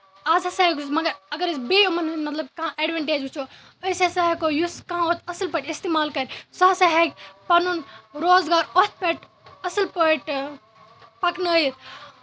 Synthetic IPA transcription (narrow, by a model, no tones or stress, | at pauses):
aːzɐsakmɐɡɐɾɐɡɐɾsbeːumɐnmɐt̪lɐb̚kɐãʔeːɖʋeɳʈeːd͡ʒut͡ʃʰo | əsesaɦekojuskɐãot̪ʰɐsɐlpəʈist̪eːmaːlkɐɾsɐsaɦekʲpɐnunɾoːzɡaːɾot̪̚ʰpeʈ | ɐsɐlpəʈ | pɐknəːjit̪̚